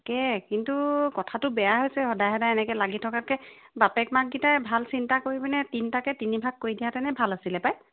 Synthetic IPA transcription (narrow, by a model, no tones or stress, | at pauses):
kɛkintukɔtʰatʊbɛjaɦojsɛhɔdajɦɛdaɛnɛkɛlaɡitʰɔkat̚kɛ | bapɛkmak̚ɡitajbʱalsintakoɹibinɛtintakɛtinibʱak̚kːoɹidijatɛnɛbʱalasilɛpaj